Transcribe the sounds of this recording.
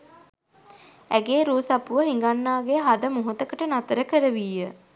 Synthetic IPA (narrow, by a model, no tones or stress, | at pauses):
æɡeːɾuːsapuʋəɦiŋɡanːaːɡeɦad̪əmuɦut̪əkəʈənat̪əɾəkəɾəʋiːjə